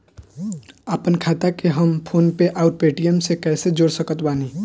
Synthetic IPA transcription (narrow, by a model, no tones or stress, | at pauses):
aːpənkʰaːt̪akeɦəmpʰoːnpeʔaːɾpeːʈijəmsekɛːsed͡ʒoːɽsəkət̪baːniː